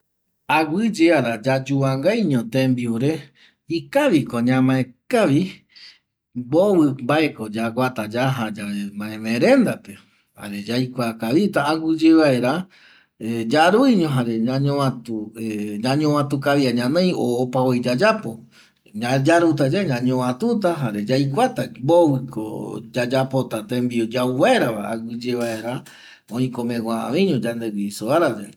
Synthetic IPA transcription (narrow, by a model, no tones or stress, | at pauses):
aɡɨd͡ʒeaɾad͡ʒad͡ʒuaŋɡajɲõt̪ẽmbiuɾe̞ | ikaʋiko̞ɲãmãẽkaʋi | boβɨmbaekod͡ʒaɡʷat̪ad͡ʒaɦad͡ʒaemãẽmẽɾẽ̞nd̪ape | ha̰ɾe̞d͡ʒajkʷakaβit̪aːɡʷɨd͡ʒeʋae̞ɾa | ed͡ʒaɾuiɲõɦaɾe̞ɲãɲõãt̪ueɲãɲõwãt̪ukaβiaɲãnẽj̃oːpaojd͡ʒad͡ʒapo̞ | ɲad͡ʒaɾut̪̬ad͡ʒaɲãɲõβãt̪ut̪̬aɦaɾe̞d͡ʒajkʷat̪ambowɨkʰo̰d͡ʒad͡ʒapot̪at̪ẽmbiod͡ʒauβaeɾaβaaɡɨd͡ʒeβae̞ɾa | õĩkõmẽɡaa̰βĩɲõd͡ʒand̪eɡisoaɾad͡ʒe